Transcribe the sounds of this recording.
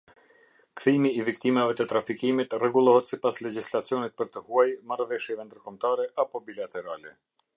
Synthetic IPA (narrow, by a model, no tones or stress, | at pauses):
kθimiːvikt̪imavɛt̪ət̪ɾafikimit̪rɛɡulˠɔɦɛt̪sipaslɛd͡ʑislat͡sijɔnit̪̚pəɾt̪əhuajmarvɛʃjɛvɛnd̪əɾkɔmt̪aɾɛʔapɔbilat̪ɛɾalɛ